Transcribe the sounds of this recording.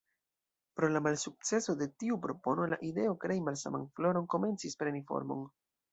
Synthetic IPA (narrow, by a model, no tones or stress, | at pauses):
pɾo̞lamalsuk̚t͡se̞so̞de̞tiupɾo̞po̞no̞la̰ʔide̞o̞kɾe̞jmalsa̰ma̰nflo̞ɾo̞nko̞me̞nt͡sispɾe̞nifo̞̰ɾmo̞̰n